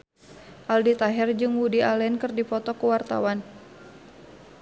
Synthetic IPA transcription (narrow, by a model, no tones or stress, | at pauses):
ʔaldit̪aɦɛrd͡ʒɨŋwudialɛnkɨrdipɔt̪ɔkəwart̪a̰wan